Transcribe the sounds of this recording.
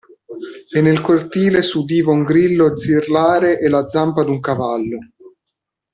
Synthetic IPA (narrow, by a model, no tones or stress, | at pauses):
enːelkort̪iːlesud̪iːvauŋɡɾilːod̪zirlaːɾeʔelad̪zːampad̪uŋkavalːo